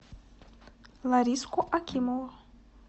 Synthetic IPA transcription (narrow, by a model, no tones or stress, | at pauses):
laɾiskoʔakimoɾ